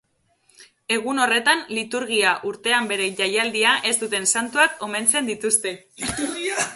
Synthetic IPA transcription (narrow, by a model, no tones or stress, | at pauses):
e̞ɣ̞uno̞re̞t̪anlit̪uɾɣiaʔuɾt̪e̞ambe̞ɾe̞ʝajald̪iaʔe̞st̪ut̪e̞nsant̪uako̞me̞nt͡se̞nd̪it̪ust̪e̞ | iɾɣ